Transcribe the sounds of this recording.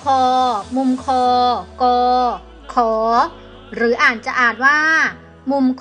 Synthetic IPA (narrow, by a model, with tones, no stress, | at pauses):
kʰɔː˧mu˧mkʰɔː˧kɔː˧ | kʰɔː˩˦ | ɾɯː˩˦ʔaː˨˩t̪̚t͡ɕa˨˩ʔaː˨˩t̪̚waː˥˩ | mu˧mkʰ